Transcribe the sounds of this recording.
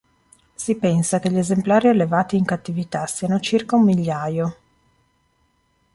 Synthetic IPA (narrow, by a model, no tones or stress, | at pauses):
sipɛnsakeʎːezemplaːɾialːevaːt̪iːŋkat̪ːivit̪asiːanot͡ʃirkaumːiʎːaːjo